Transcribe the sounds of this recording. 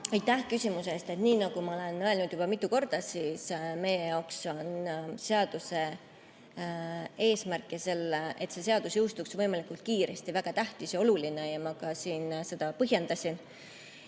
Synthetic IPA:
ɑjt̪ːˑæhkysʲimusest̪e̞t̪niːnɑɡ̥umɑo̞le̞nøelnud̪̥jub̥ɑmit̪ːˑuko̞rd̪̥ɑsiːsme̞jejɑwkso̞nse̞ɑd̪̥use̞ | e̞ːsmærkːˑise̞lːeʔet̪se̞se̞ɑd̪̥usjɤwst̪uksvɤjmɑlikˑult̪̚kiːɾe̞st̪ivæɡ̥ɑt̪æht̪isjɑo̞luline̞jɑmɑkɑsiːnse̞d̪̥ɑpɤɦje̞nd̪̥ɑsʲin

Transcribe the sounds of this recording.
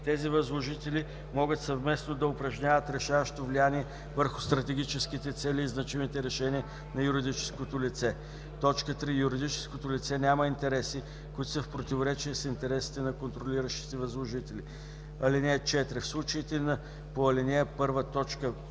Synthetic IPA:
t̪ɛzivəzlˠoʒit̪ɛli | mɔɡət̪sɐvmɛsnod̪ɐʊpɾɐʒnʲavət̪ɾɛʃavɐʃt̪ovlianiɛ | vəɾxʊst̪ɾɐt̪ɛɡ̟ʲit͡ʃɛsk̟it̪ɛt̪sɛlʲiːznɐt͡ʃimit̪ɛɾɛʃɛnʲiə | nɐjuɾid̪it͡ʃɛ̥skot̪olit̪sɛ | t̪ɔt͡ʃkət̪ɾijuɾid̪it͡ʃɛ̥skot̪olit̪sɛnʲamɐint̪ɛɾɛsi | kʊit̪osəfpɾot̪ivoɾɛt͡ʃiəsint̪ɛɾɛsi̥t̪ɛnɐkont̪ɾoliɾəʃt̪i̥t̪ɛvɐzlˠoʒit̪ɛlʲi | ɐlinʲɛt͡ʃɛt̪ɾɛfslˠut͡ʃəit̪ɛnɐ | poɐlinʲɛpɤɾvət̪ɔt͡ʃkə

